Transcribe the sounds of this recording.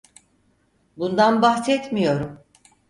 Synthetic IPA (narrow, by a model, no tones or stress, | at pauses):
bund̪anbahsɛt̪mijo̞ɾum